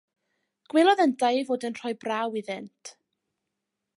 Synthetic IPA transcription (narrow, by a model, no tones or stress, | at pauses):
ɡ̥wɛlˠɔðəndajvoːdənr̥ɔjbrawiðɪntʰ